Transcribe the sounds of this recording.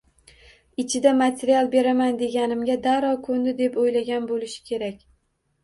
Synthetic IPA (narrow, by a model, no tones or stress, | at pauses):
ɪt͡ʃʰɪd̪amat̪ʰeɾijalˠbe̞ɾamand̪e̞ɡʲanɪmɡʲad̪aɾɒkʰond̪ɪd̪e̞pojlaɡʲanbolɪʃɪ̥kʲʰe̞ɾakʲ